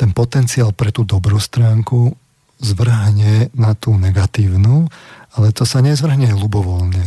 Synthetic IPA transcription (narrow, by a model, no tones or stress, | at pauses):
t̪ɛnpɔt̪ɛnt͡siaːlpɾɛt̪uːd̪ɔbɾuːst̪ɾaːŋku | zʋr̩ɦɲɛnat̪uːnɛɡat̪iːʊnuːalɛt̪ɔsaɲɛzʋr̩ɦɲɛlubɔʋɔlɲɛ